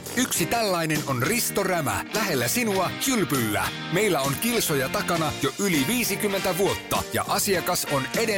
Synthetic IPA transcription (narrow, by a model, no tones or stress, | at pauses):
yksit̪ælːæjne̞no̞nrist̪o̞ræmæ̰læɦe̞lːæsinuɑsylpylːæ̰ | me̞jlːæo̞nkilso̞jɑt̪ɑkɑnɑjoʔyliʋiːsikymːent̪æʋuo̞t̪ːɑ̰jɑ̰ʔɑsiɑkɑso̞ne̞de